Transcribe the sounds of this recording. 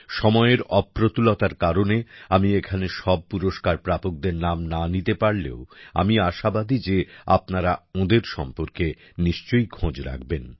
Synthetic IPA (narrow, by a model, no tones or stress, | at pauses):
ʃɔmɔeeɾɔpːɾot̪ulot̪aɾkaɾoneamiekʰaneʃɔb̚puɾoʃkaɾpɾapok̚d̪eɾnamnanit̪epaɾlḛoa̰miaʃabad̪id͡ʑea̰pnaɾaõd̪eɾʃɔmpoɾke | niʃt͡ɕojkʰõd͡ʑɾa̰k̚ben